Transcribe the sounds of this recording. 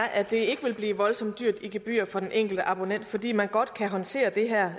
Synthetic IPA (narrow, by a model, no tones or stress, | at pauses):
ʔæd̥e̝e̝ɡ̥əʋe̝lb̥liːʋɒ̽lsɒ̽m̰d̥yɐ̰d̥iɡ̥e̝b̥y̰ːɐfɒ̽d̥enʔeŋ̰ɡ̥l̩d̥əʔɑ̈b̥o̝nen̰d̥fɒ̽d̥ḭːmænɡ̥ɒ̽d̥kʰæɦɒ̽nt͡sʰe̝̰ːɐd̥e̝ɦæɐ̰